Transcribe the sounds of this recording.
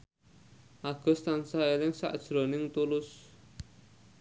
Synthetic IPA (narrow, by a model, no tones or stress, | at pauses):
ʔaɡ̥ɔ̤st̪ansaelɪŋsa̰ʔd̥ʒ̥ɾonɪŋt̪ulʊs